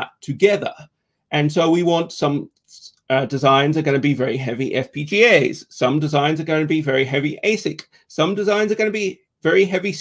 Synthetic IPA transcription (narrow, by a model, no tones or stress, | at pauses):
ə̰tʰɨɡɛðə̰˞ | ʔɨ̃nsoʊwiwɑ̃ntsʌ̃m | ʌdɨzãɪ̃nzə˞ɡʌnəbivɛɹiɦɛviʔɛfpʰid͡ʒieɪz̥sʌ̃mdɨzãɪ̃nzə˞ɡʌ̃nəbivɛɹiɦɛviʔeɪsɪk | sʌ̃mdɨzãɪ̃nzə˞ɡʌ̃nəbi | vɛɹiɦɛvis